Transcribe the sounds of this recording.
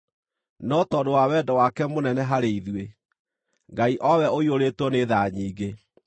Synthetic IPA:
nɔtɔdowawɛdɔwakɛmonɛnɛɦaɾeiðwe | ŋɡaiʔɔwɛoioɾeːtwɔneðaɲiːɡe

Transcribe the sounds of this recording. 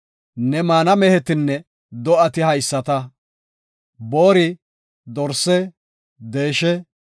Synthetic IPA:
nɛmaːnɐmɛhɛt̪ɪnːɛ | d̪ɔʔɐt̪ɪhɐjsːɐt̪ɐ | boːɾɪ | d̪ɔɾsɛ | d̪e̞ːʃɛ

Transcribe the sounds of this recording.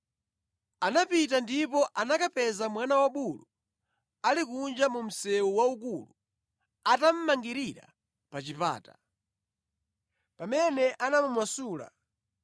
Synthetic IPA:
anapitandipɔʔanakapɛzamwanawaɓulu | alikund͡ʒamum̩sɛuwauk̬ulu | atam̩maŋɡiɾiɾa̰ | pat͡ʃipa̰ːta | pamɛnɛʔanamumwasuːla̰

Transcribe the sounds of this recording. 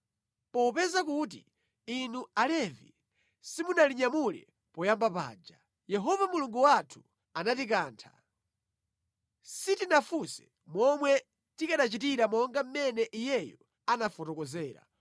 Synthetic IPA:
pɔpɛzakut̬i | inualɛvḭ | simunaliɲamulɛ̰ | pɔjambapa̰ːd͡ʒa | jɛɦɔvamuluŋɡuwatʰu̥ | anatik̬aːntʰḁ | sitinafusɛ̥ | mwɔmwɛ | tikaɗat͡ʃitiɾamɔŋɡam̩mɛnɛʔijɛjɔ | anafɔtɔkɔzɛːɾa̰

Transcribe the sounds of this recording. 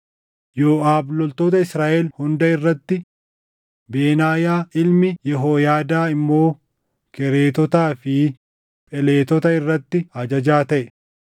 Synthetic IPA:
joːʔaːblɔlt̪o̞ːt̪ɐɪsɾaːʔeːlhʊnd̪ɐɪrːɐt̪ːɪ | beːnaːjaːʔɪlmɪjɛɦoːjaːd̪aːɪmːo̞ː | kɛɾeːt̪ɔt̪aːfɪ | pʼɛle̞ːt̪ɔt̪ɐɪrːɐt̪ːɪɐd͡ʒɐd͡ʒaːt̪ɐʔɛ

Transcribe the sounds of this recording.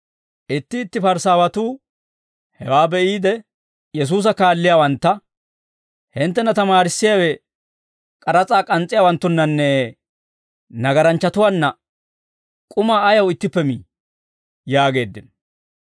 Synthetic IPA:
ʔɪt̪ːɪːt̪ːɪfɐɾsaːwɐt̪uː | hɛwaːbɛʔiːd̪ɛ | jɛs̬uːs̬ɐkaːlːɪjaːwɐnt̪ːɐ | hɪnt̪ːɛnɐt̪ɐmaːɾɪsːɪjaːwɛ | kʼɐɾɐt͡sʼaːkʼɐnt͡sʼːɪjaːwɐnt̪ːʊnːɐnːɛ | nɐɡɐɾɐnt͡ʃːɐt̪ʊwaːnːɐ | kʼʊmaːjɐwɪt̪ːɪpːɛmi | jaːɡe̞ːd̪ːɪn

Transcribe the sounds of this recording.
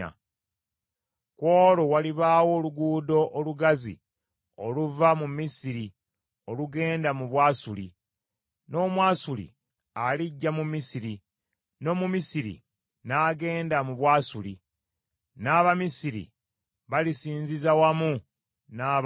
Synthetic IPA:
a̰ | kwoːlowaliβaːwo̞ːluɡuːdo̞ʔːluɡazḭ | oluvamumisiɾi | o̞luɡe̞ːndamuβwaːsulḭ | no̞ːmwaːsulḭ | aliɟːamumisiɾi | no̞mumisiɾḭ | naːɡe̞ːndamuβwaːsulḭ | naːβamisiɾḭ | βalisiːnzizawamu | na

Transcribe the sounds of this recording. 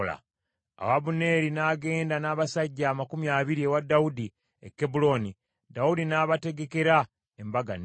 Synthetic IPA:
la̰ | a̰waβune̞ɾinaːɡe̞ːndanaːβasaɟːaːmakumjaːβiɾiewadːaudi | ḛkːebulo̞ni | daudinaːβate̞ɡe̞ke̞ɾa | embaɡa̰n

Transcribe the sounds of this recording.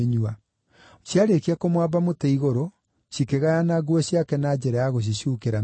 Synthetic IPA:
ɲua | ɕjaɾekiakomwabamotɛiɣoɾo | ɕikeɣajanaɡuɔɕjakɛnad͡ʑɛɾajaɣoɕ̬iɕjukeɾa

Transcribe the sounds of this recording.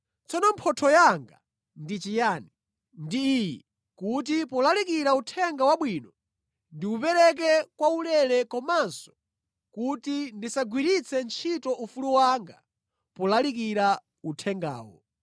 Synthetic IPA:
t͡sɔnɔmpʰɔtʰɔjaŋɡa | ndit͡ʃijaːni | ndiːjɛ | kut̬ipɔlalik̬iɾautʰɛŋɡawaɓwiːnɔ | ndiupɛɾɛk̬ɛkwaulɛlɛkɔmansɔ̥ | kutindisaɡwiɾit͡sʰɛnt͡ʃʰitɔʔufuluwaŋɡa | pɔlalik̬iɾa | utʰɛŋɡa̰ːwɔ̰

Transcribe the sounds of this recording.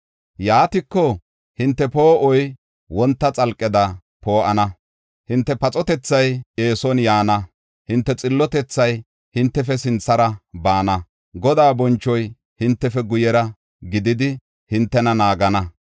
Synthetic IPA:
jaːt̪ɪkːɔ | hɪnt̪ːɛpoːʔɔj | wɔnt̪ːɐt͡sʼɐlkʼːɪd̪ɐ | po̞ːʔɐnɐ | hɪnt̪ːɛpɐt͡sʼɔt̪ɛt͡sːɐje̞ːsɔnjaːnɐ | hɪnt̪ːɛt͡sʼɪlːɔt̪ɛt͡sːɐj | hɪnt̪ːɛfɛsɪnt͡sːɐɾɐbaːnɐ | ɡɔd̪aːbɔnt͡ʃːɔj | hɪnt̪ːɛfɛɡʊjɛɾɐ | ɡɪd̪ɪd̪ɪ | hɪnt̪ːɛnɐnaːɡɐnɐ

